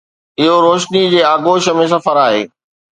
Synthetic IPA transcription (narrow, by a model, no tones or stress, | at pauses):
ɪɦoɾoːʃnid͡ʑeːaːɡoːʃəmẽs̬ɐfəɾaːɦḛː